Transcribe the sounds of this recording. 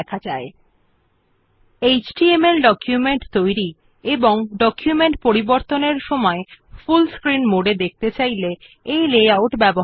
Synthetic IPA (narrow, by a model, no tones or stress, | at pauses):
ɛkʰad͡ʑae | ejt͡ɕʈiemelɖɔkʰjumeɳʈt̪ojɾi | eboŋɖɔkjumeɳʈpoɾiboɾt̪oneɾʃɔmɔefulskɾinmoɖed̪ek̚ʰt̪et͡ɕajle | ejlejawʈbɛbo